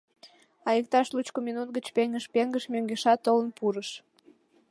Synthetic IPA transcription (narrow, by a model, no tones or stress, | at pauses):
ɑjək̚t̪ɑʃlut͡ɕkominut̪̚ɡət͡ɕpeŋɡəʃpeŋɡəʃmøŋɡeʃɑt̪ːolənpuɾəʃ